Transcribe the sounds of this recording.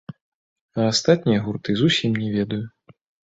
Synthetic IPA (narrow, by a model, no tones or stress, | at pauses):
ɐast̪at̪̚ʲnʲijɐɣurt̪ɨzusʲimnʲɛvʲɛd̪ɐju